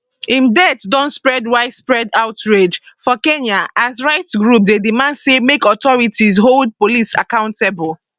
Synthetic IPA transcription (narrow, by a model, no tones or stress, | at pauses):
ĩndɛtdɔ̃nspɹɛdwaɪspɹɛdaʊtɹed͡ʒ | fɔkẽnaʔazɹaɪtɡɹup̚dedimãndsemekɔtɔɹitizɦold̚polisa̰kãʊ̃ntebɔl